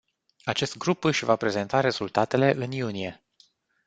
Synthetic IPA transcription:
at͡ʃe̞st̪̚ɡɾupɨʃʲvapɾe̞ze̞nt̪aɾe̞z̥ult̪at̪e̞le̞ʔɨnjunie̞

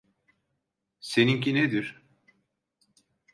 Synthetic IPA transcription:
seniŋcined̪iɾ̥

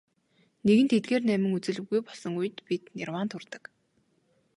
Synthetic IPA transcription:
neɣɘ̆nt̪ʰet̪̚ɡeːrnæmɪ̆ŋut͡sɘ̆ɮɘ̆ɣɣujpɔɮsɞ̆ŋujɘ̆t̪pit̪nḭrwaːnt̪ʰurt̪ə̥̆k

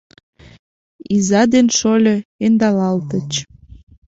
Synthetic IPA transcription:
izɑd̪enʃolʲɤend̪ɑlɑlt̪ət͡ɕ

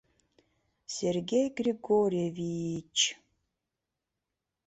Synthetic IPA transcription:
sʲerɡʲejɡriɡoɾʲievijt͡ʃʰ

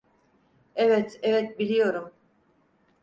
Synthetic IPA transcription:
ɛvɛt̪ʰɛvɛt̪̚bilijɔɾum

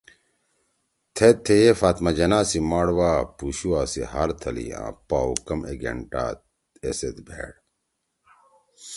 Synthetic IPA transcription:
t̪ʰet̪ʰːejefaːt̪mɐd͡ʑɐnaːsimaːɽwaːpuɕuwaːsihaɾt̪ʰɐlḭjã̰ːpaːwkɐmeɡḛɳʈa̰ːt̪ | eset̪bʱḛːɽ

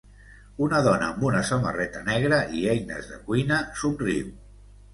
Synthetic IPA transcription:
unəðɔnə̰ːmbunəsəmə̰rɛt̪ənɛɣɾəiɛjnə̰zðə̰kwinəsumriw

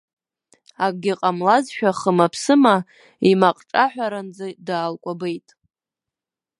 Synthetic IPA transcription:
akʼɡʲɪqʼamlazʃᶣaχəmapʰsɨma | imaqʼʈ͡ʂʼaħʷᶣaɾand͡zadaːlkʷʼabejtʼ

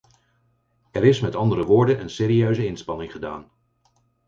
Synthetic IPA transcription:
ɛɾɪsmɛtɑndəɾəʋʊːɹdənʔənseːɾiøɥzəɪnspɑnɪŋχəda̰ːn

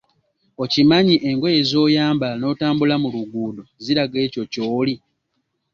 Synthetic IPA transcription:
o̞cimaɲiʔe̞ŋɡo̞jezo̞ːjaːmbano̞ːtaːmbulamuluɡuːdoziɾaɡe̞ːco̞coːli

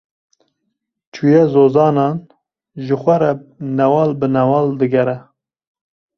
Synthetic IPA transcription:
t͡ʃʰujɛzoːzɑːnɑːn | ʒɨxʷɛɾɛnɛwɑːlbɨnɛwɑːld̪ɨɡɛɾɛ

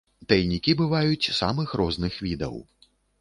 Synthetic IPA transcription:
t̪ɐjnʲikʲibɨvajut͡sʲsa̰mɨxɾʔɔznɨxvʲid̪ɐ̰w

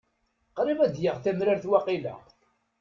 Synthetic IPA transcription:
qɾivæd̪jəʁθæmɾaɾθwɑqilæ̰

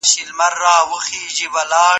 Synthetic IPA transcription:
ɕilmɐɾːaːwuxiːʑibɐlaː

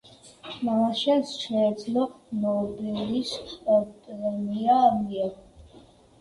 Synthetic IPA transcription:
maʃɛsʃɛːd̪zlɔnɔbilisɔɾt̪ʼɛniamiɛ

